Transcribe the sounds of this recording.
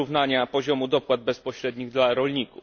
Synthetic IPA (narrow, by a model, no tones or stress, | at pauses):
uvnaɲapɔʑɔmud̪ɔpwad̪̚bɛspɔɕɾɛd̪ɲiɣd̪laɾɔlɲiku